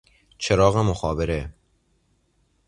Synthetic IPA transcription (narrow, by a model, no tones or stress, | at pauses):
t͡ʃʰeɾɒːɣemoxɒːbeɾe